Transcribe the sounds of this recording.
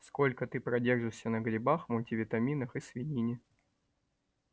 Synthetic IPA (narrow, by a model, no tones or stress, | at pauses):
sko̞lʲkət̪ɨpɾɐdʲe̞rʐɨʂsʲənəɡɾʲɪbaxmʊlʲtʲɪvʲɪt̪ɐmʲinəxɨsvʲɪnʲinʲɪ